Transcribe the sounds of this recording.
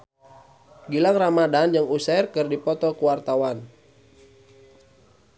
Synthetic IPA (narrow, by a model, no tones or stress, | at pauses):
ɡilaŋramadanjaŋusarkɨrdipɔt̪ɔkuwart̪awan